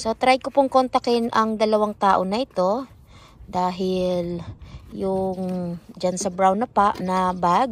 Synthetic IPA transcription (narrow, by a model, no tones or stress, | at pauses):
so̞t̪ɾajkopoŋkont̪ɐkɪɪnʔɐŋd̪ɐlɐwaŋt̪aːʔo̞nɐʔɪt̪o̞ | d̪aːɦɪljʊŋd͡ʒansɐbɾawnɐpaʔnɐbaɡ